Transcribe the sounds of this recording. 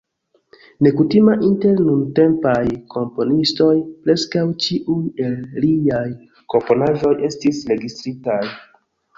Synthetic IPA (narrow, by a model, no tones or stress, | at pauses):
ne̞kutimaʔinte̞ɾnunte̞mpajkʰo̞mpo̞nisto̞jpɾe̞skawt͡ʃiʔuje̞lliaj | ko̞mpo̞naʒo̞jʔe̞stisɾe̞ɡistɾitaj